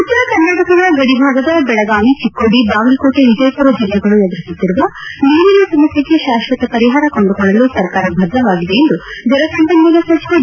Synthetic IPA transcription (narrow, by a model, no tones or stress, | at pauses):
ut̪ːɐɾɐkɐɾnaːʈɐkɐɾɐɡɐɽibʱaːɡɐd̪ɐbɛɭɐɡaːʋit͡ʃikːoːɽibaːʋɐlkoːʈeʋid͡ʒɐjpuɾɐd͡ʒilːɛɡɐɭued̪ɾisit̪ːiɾuʋɐniːɾinusɐmɐsɐkeʃaːʃʋɐt̪ɐpɐɾiɦaːɾɐkoɳɖukɔɭːɐlusɐɾkaːɾɐbʱɐd̪ʱːɐʋaːɡid̪e̞end̪ud͡ʒ̪ɐɾɐsɐmpɐnd͡ʒɐlɐsɐt͡ʃko